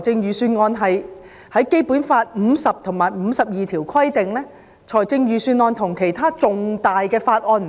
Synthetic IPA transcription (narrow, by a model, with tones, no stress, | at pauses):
jt͡sɪ˧ŋjyː˨˩syː˧nŋɔː˧nɦɐ˨j | hɐ˨˥jke˥jpuː˨˥nfaː˧t̚m̩ː˨˧sɐ˨p̚t̪ʰʊ˨˩ŋmaː˨jm̩ː˨˧˦sɐ˨p̚jiː˨t̪ʰiː˨˩wkʰɐ˥jt̪ɪ˨ŋlɛː˥ | t͡sʰɔː˨˩jt͡sɪ˧ŋjyː˨˩syː˧nŋɔː˧nt̪ʰʊ˨˩ŋkʰe˨˩jt̪ʰaː˥t͡sʊ˨ŋt̪aː˨jkɛː˧faː˧t̚ʔɔː˧nm˨